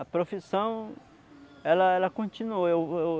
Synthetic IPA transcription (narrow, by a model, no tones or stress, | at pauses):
ɐpɾofisɐ̃w̃ | ɛlɐɛlɐkõt͡ʃĩnuoewe